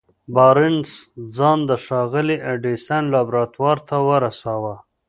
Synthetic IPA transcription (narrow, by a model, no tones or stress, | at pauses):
bɑɾɪnsd͡zɑnd̪əʃɑɣɪliʔaɖisanlɑbɾɑt̪wɑɾt̪ʰawəɾasɑwa